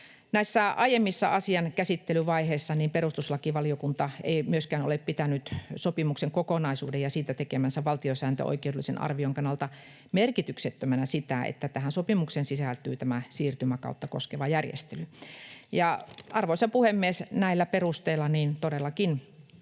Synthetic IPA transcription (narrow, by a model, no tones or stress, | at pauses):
næisːæɑijemːisːɑ̰ʔɑsiɑnkæsit̪ːelyʋɑiheisːɑniːmperust̪uslɑkiʋɑliokunt̪ɑeimyøskæːno̰leppit̪ænyt̪sopimukseŋkokonɑisṵːdejɑsiːt̪æt̪ekemænsæʋɑlt̪iosæːnt̪ø̰o̰ikeoudelːˑisenɑ̰rʋioŋkɑnːɑlt̪ɑ | merkit̪ykset̪ːømænæsit̪æḛt̪ːæt̪æhænsopimuksensisælt̪y̰ːt̪æmæsiːrt̪ymækɑ̰ut̪ːɑko̰skeʋɑjærjḛst̪elyjɑʔɑrʋoˑisɑpuhemːiesnæilːæperust̪eilːˑɑniːnt̪odelːɑkin